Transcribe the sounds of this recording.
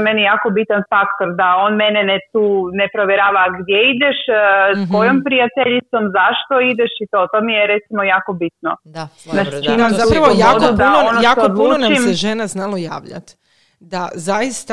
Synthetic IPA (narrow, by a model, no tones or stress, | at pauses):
menijaːko̞bit̪anfakt̪o̞ɾd̪ao̞ːnmenenet̪uːnepɾo̞ʋjeɾaːʋaɡd̪jeid̪eʃsko̞jompɾijat̪eʎit̪so̞mzaʃt̪o̞id̪eʃit̪o̞t̪o̞mijeɾet̪simo̞jaːko̞bit̪nonat͡ʃt͡ʃimumt̪uɾojodud̪aonoaood̪lˠuːt͡ʃimeʒenaznalˠojaːʋʎa̰t̪ | d̪azajist̪a